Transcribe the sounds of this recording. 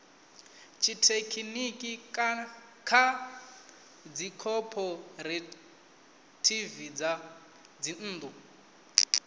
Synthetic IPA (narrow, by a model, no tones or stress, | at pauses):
t͡ʃʰitʰekʰinikʼi | kʰa | d͡zikʰɔpʰɔɾɛ | tʰivid͡za | d͡zin̩ːd̪ʼu